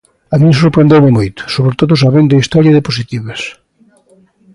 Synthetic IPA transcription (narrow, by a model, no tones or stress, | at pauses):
amims̬oɾpɾẽnd̪eɾmɪmojt̪ʊ̥soβɾet̪oðʊsaβend̪ɐist̪ɔɾjɐðepos̬it̪iβes